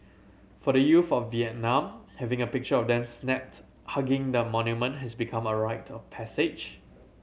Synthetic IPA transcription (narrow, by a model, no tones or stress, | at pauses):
fɔɾəjufɔfːiɛt̚nãmhɛvɪ̃ŋəpɪk̚t͡ʃəɔvdɛ̃msnɛp̚t | haɡɪ̃ŋdəmɔ̃njumə̃ntɦɛsbikʰãməɹaɪtʰɔfpʰɛsɪd͡ʒ